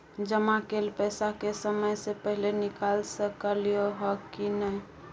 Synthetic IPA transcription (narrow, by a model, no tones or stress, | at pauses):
d͡ʒəmakelpəjsakesəməjsepəɦilenikalsəkəlijoɦɔkinəj